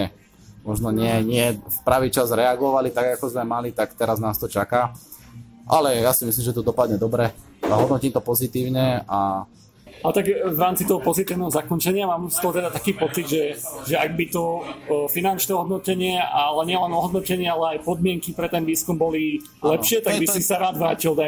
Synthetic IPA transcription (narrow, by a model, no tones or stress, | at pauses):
ɛ | mɔʒnɔɲɪɛɲɪɛfpɾaʋiːt͡ʃazɾɛaɡɔʋalit̪aɡakɔzmɛmalit̪akt̪ɛɾaznaːst̪ɔt͡ʃakaː | ʔa̰lɛjasimisliːmʒɛt̪ɔd̪ɔpad̪ɲɛd̪ɔbɾɛ | aɦɔd̪nɔciːmt̪ɔpɔzit̪iːʊɲɛa | alt̪aɡʋɾaːmt͡sit̪ɔɦɔpɔzit̪iːʊnɛɦɔzakɔnt͡ʃɛɲɪamaːmst̪ɔɦɔt̪ɛd̪at̪akiːpɔt͡sid̪ʒɛʒɛaɡ̚bit̪ɔfinant͡ʃnɛːɦɔd̪nɔcɛɲɪɛalɛɲɪɛlɛnɔɦɔd̪nɔcɛɲɪɛalɛajpɔd̪mɪɛŋkipɾɛt̪ɛnʋiːskumbɔli | lɛpʃɪɛt̪aɡbiisaɾaːd̪ʋɾaːcilˠd̪a